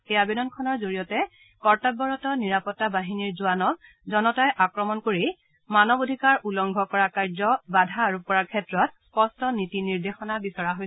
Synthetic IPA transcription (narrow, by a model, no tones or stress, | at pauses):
kɛjabedɔnkʰɔnɔɹzoɹijɔtɛ | kɔɹtab̚bɔɹɔtɔniɹapɔtːabaɦiniɹzʊanɔk̚ | zɔnɔtajʔakɹɔmɔnkoɹi | manɔbodʱikaɹʔulɔŋɡʱɔkɔɹakaɹzɔbadʱaːɹupɔɹakʰɛtɹɔt̚spɔstɔnitiniɹdexɔnabisaɹaɦoj